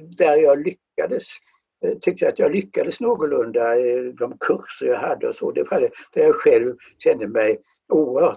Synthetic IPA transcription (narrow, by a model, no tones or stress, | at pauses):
d̪æɾjɑːɡlʏkːad̪əs | t̪ʰʏk̚t̪əjaat̪jɑɡlʏkːad̪əsnoːɡʊlɵnd̪ad̪ɔmkʰɵɾsəɾjɑɦad̪ːəɔsɔ̰d̪ɛfad̪ɛd̪̥æjɑɧɛlv | ɕɛnd̪əmɛj | uːəɾhœː